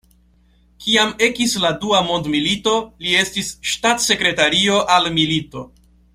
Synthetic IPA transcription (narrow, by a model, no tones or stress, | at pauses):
kiame̞kisladuamo̞ndmilito̞lie̞stisʃtatse̞kɾe̞taɾio̞ʔalmilito̞